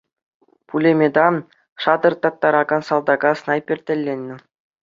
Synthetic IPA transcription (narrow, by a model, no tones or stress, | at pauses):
pulʲemʲed̪ɑn | ʂɑd̪ɤ̆rt̪ɑt̪ːɑɾɑɡɑnsɑlˠd̪ɑɡɑsnɑjpʲĕrʲt̪ʲɘ̆lʲːenʲːɘ̆